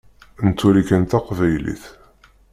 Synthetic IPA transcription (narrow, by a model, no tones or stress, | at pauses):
nt̪ːuɾikənt̪ɑqvæjlḭθ